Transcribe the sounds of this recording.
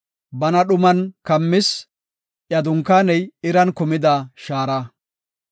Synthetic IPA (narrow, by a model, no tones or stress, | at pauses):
bɐnɐɗʊmɐnkɐmːɪs | ʔjɐd̪ʊŋkːaːnɛjɪɾɐnkʊmɪd̪aːʃaːɾɐ